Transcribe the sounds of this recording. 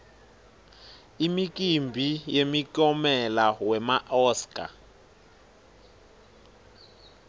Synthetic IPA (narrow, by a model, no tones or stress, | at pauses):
imik̬ʼimbʱijemikʼɔmɛlawɛmaʔɔskʼa̰